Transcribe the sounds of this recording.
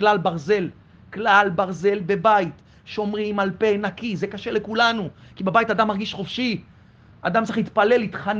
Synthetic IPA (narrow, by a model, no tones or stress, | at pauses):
klalbaʁze̞l | klalbaʁze̞lbe̞bajit̪ | ʃo̞mʁimalpenakizekaʃe̞lekulanukibebait̪ad̪amːaʁɡiʃχofʃi | ad̪amt͡sʁiχlit̪pale̞lit̪χan